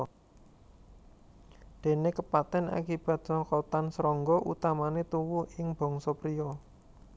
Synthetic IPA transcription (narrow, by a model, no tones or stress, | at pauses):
d̪̥e̤nekəpat̪ɛna̰kib̥a̤t̪̚sɔŋkɔt̪ansɾɔŋɡɔʔṵt̪amanet̪uwuɪŋb̥ɔ̤ŋsɔpɾiɔ